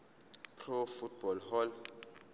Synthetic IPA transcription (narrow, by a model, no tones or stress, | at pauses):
pʰrofut̚b̥ɔlɦɔl